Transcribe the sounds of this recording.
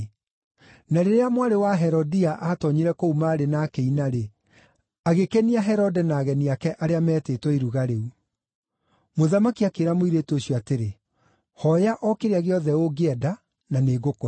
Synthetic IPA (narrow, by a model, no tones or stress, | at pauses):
naɾeɾeamwaɾewaɦɛɾɔdiaʔatɔɲiɾɛkoumaːɾenaːkeinaɾe | aɣekeniaɦɛɾɔdɛnaːɣɛniakɛʔaɾeamɛːtetwɔiɾuɣaɾeu | moðamakiakeɾamoiɾetoɕjɔateɾe | hɔjaʔɔkeɾeaɣeɔðɛoɡeɛda | naneːɡoko